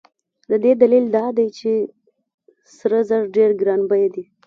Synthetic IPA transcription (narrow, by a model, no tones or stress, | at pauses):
d̪əd̪ed̪alild̪ɑd̪ajt͡ʃe | sɾəzəɾɖeɾɡɾɑnbəjd̪i